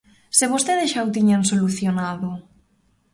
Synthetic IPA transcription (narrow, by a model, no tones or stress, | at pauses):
sɪβ̞ost̪eðɪsʃawt̪iɲansoluθjonaðʊ